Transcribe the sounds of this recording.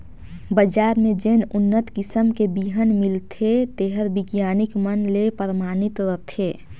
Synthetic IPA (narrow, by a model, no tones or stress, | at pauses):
bəd͡ʒaːɾmẽd͡ʒeːnʊnːət̪kɪsəmkebiɦənmɪlt̪ʰet̪eɦəɾbɪɡjaːnɪkmənlepəɾmaːnɪt̪ɾət̪ʰeː